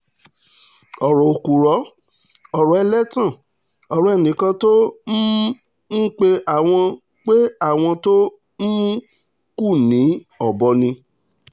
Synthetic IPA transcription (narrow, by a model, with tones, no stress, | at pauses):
ɔ˨ɾɔ˨o˨ku˨ɾɔ˨˦ | ɔ˨ɾɔ˨˦ɛ˧lɛ˦tã˦˨ | ɔ˨ɾɔ˨ɛ˨nĩ˨˦kã˧to˦ | n̩˦k͡pe˦ʔa˨w̃ɔ̃˧ | k͡pe˦a˦˨w̃ɔ̃˧to˦ | n̩˦ũ˦ | ku˦˨nĩ˨˦ | ɔ˨bɔ˧˦nĩ˧